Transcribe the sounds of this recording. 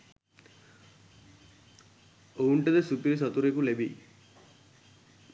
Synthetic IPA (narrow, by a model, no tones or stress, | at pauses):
ouɳʈɐd̪esupiɾis̬ɔt̪uɾekulebi